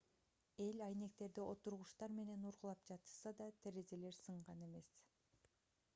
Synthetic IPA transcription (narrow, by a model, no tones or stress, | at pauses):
e̞lʲɑjne̞k̚t̪e̞ɾd̪iʔo̞t̪uɾʁuʃt̪ɑɾme̞ne̞nuɾʁulˠɑp̚d͡ʒɑt̪ɯ̥sɑd̪ɑt̪ʰeɾeze̞le̞ɾsɯɴʁɑne̞me̞s